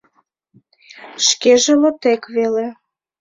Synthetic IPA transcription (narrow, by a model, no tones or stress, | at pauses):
ʃkeʒĕlot̪ekβele